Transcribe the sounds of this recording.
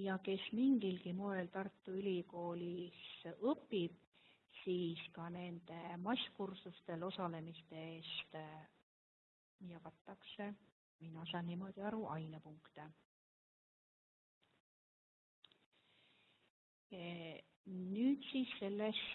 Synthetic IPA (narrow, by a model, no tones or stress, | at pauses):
jɑke̞smiŋɡilkimoe̞lt̪ɑrt̪ːˑuylʲiko̞ːlʲisɤpːˑib̥̚ | siːskɑne̞nd̪e̞mɑsʲkursust̪e̞lo̞sɑle̞mist̪e̞eːst̪ | jɑvɑt̪ːˑɑkse | minɑs̬ɑnːimo̞d̪̥iɑɾuʔɑjnepuŋkt̪e | nyːd̪siːsːe̞lːes